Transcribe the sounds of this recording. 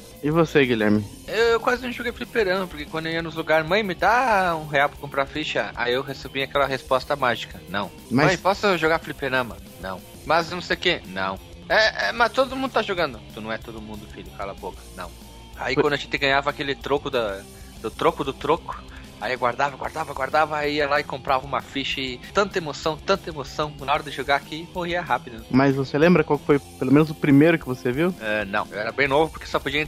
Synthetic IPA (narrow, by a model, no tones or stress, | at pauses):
ɪvoseɡilɛɾmɪ | ewewkwazɪñw̃ʒoɡejflipeɾɐ̃mɐpoɾkekwɐ̃nd̪oiɐnʊzluɡaɾmɐ̃j̃mɪd̪aũɦeawpɾɐkõpɾafiʃɐa̰jewɦesebĩakɛlɐɦespɔst̪ɐmaʒikɐnɐ̰̃w̃ | mɐ̃j̃pɔsʊʒoɡaflipeɾɐ̃mɐ | nɐ̰̃w̃ | mɐznɐ̃sejʊkenɐ̰̃w̃ | ɛɛmɐst̪od̪ʊmũnd̪ʊt̪aʒoɡɐ̃nd̪ʊt̪unɐ̃w̃ɛt̪od̪ʊmũnd̪ʊfiʎʊkalɐbokɐnɐ̰̃w̃ | a̰ikɐ̃d̪ʊʒẽt̪ɪɡɐ̃ɲavɐakelɪt̪ɾokʊd̪ɐ | d̪ʊt̪ɾokʊd̪ʊt̪ɾokʊ̥ | aiɡwaɾd̪avɐɡwa̰ɾd̪avɐɡwaɾd̪avɐiɐlaɪkõmpɾavɐũmɐfiʃɐɪt̪ɐ̃nt̪ɐemosɐ̃w̃t̪ɐ̃nt̪ɐemosɐ̃w̃nɐɔɾɐd̪ɪʒoɡakɪmohiɐɦapɪd̪ʊmɐzvoselẽmbɾɐkwawkɪ̥fojpelomẽnʊzʊpɾimejɾʊkɪvoseviwɛnɐ̰̃w̃ḛwɛɾɐbẽj̃novʊpoɾkesɔpod͡ʒiɐẽ